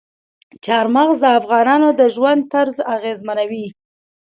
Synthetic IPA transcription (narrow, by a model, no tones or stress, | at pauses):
t͡ʃɑɾmaɣzd̪əafɣɑnɑnod̪əʒwand̪̚t̪aɾzaɣezmanawi